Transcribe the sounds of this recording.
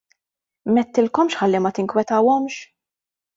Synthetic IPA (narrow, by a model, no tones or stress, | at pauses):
mɛt̪ːɪlkɔmʃħɐlːimɐt̪ɪŋkwɛt̪ɐwɔmʃ